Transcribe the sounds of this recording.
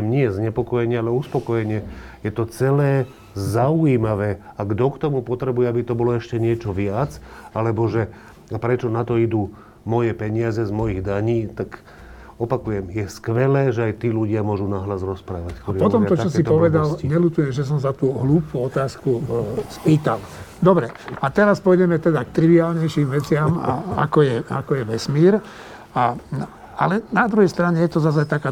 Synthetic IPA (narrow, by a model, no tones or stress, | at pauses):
ɛmɲɪɛzɲɛpɔkɔjɛɲɪɛalɛuspɔkɔjɛɲɪɛjɛt̪ɔt͡sɛlɛː | zaujiːmaʋɛːaɡd̪ɔkt̪ɔmupɔt̪ɾɛbujɛabit̪ɔbɔlɔɛʃcɛɲɪɛt͡ʃɔʋɪat͡salɛbɔʒɛ | apɾɛt͡ʃɔnat̪ɔid̪u | mɔjɛpɛɲɪazɛzmɔjiɣd̪aɲiːt̪ak | ɔpakujɛmjɛskʋɛlɛːʒɛajt̪iːluɟɪamʊɔʒunaɦlazɾɔspɾaːʋackt̪ɔɾipɔt̪ɔmt̪ɔt͡ʃɔs̬ipɔʋɛd̪alɲɛlut̪ujɛmʒɛs̬ɔmzat̪uːɦluːpuɔt̪aːskuspiːt̪ald̪ɔbɾɛat̪ɛɾaspɔjɟɛmɛt̪ɛd̪akt̪ɾiʋiaːlɲɛjʃiːmʋɛt͡sɪama̰a̰kɔjɛa̰kɔjɛʋɛsmiːɾ | a | a̰lɛnad̪ɾuɦɛjst̪ɾaɲɛjɛt̪ɔzazajt̪akaː